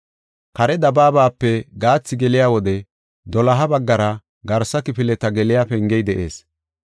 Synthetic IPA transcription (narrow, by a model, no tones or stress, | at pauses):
kɐɾɛd̪ɐbaːbaːpːɛɡaːt͡sːɪɡɛlɪjaːwɔd̪ɛ | d̪ɔlɐɦɐbɐɡːɐɾɐ | ɡɐɾsɐkɪpɪlɛt̪ɐɡɛlɪjaːpɛŋɡɛjd̪ɛʔeːs